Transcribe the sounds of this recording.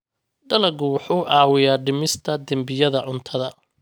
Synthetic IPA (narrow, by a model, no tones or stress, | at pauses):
ɖɐlɐɡʊwʊħuːʕɑːwɪjaːɖɪmɪst̪ʰɐd̪ɐmbɪjɐðɐʕʊnt̪ʰɐðɐ